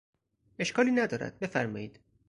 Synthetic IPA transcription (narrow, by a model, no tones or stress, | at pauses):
e̞ʃkʰɒːliːnæd̪ɒːɾæ̰d̪̥̚be̞fæɾmɒːjiːd̪̥